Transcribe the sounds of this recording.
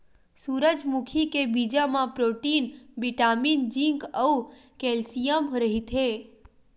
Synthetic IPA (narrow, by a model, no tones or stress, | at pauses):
suɾəd͡ʒmukʰikebid͡ʒamãpɾoʈinbiʈamind͡ʒĩŋkəukelsijəmɦɾəɦit̪ʰe